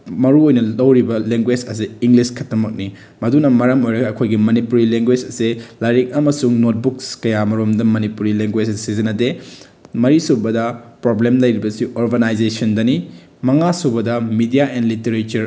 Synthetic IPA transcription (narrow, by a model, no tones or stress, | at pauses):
mɐɾuojnɐlɐwɾibɐleŋɡwed͡ʒɐs̬eiŋɡliskʰɐtɐmɐk̚ni | mɐdunɐmɐɾɐmojɾɐɡɐːkʰojɡimɐnipuɾileŋɡwed͡ʒɐselajɾek̚ɐmɐsuŋnot̚bukskɐjamɐɾomdɐmɐnipuɾileŋɡwed͡ʒsizɐnɐde | mɐɾisubɐdɐpɾoblemlɐjɾibɐsiʔoɾɡɐnajd͡ʒesɐndɐni | mɐŋasubɐdɐmidijaʔenliteɾet͡ʃuɾ